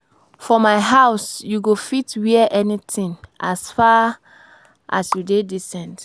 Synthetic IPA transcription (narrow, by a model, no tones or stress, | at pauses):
fɔmaɪɦaʊsjuɡofitwiɛʔɛnitĩŋasfa | ʔa̰sjudedisɛ̃nt